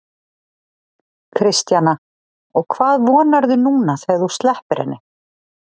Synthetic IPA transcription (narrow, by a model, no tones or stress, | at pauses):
kʰɾɪst̪jana | ɔɣkʰvaːðvɔːnaɾðʏnuːnaθejðust̪lɛhpɪɾɪ̰nːɪ